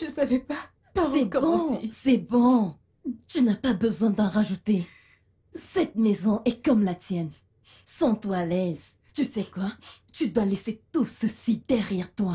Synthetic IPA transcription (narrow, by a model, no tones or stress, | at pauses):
ysavɛpa | pasɛkbɔ̃sɛbɔ̃ | t̪ynapabəzwɛ̃d̪ɑ̃ʁaʒut̪e | sɛt̪mɛzɔ̃ʔɛkɔmlat̪jɛn | sɑ̃t̪walɛz | t̪ysɛkwat̪yd̪walɛset̪usəsid̪ɛʁjɛʁt̪wa